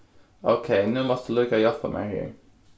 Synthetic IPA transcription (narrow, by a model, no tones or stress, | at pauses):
oʊkʰeɪnuːmɔst̪əliːkəjɔfəmʔɛ̰ɪhḭːɹ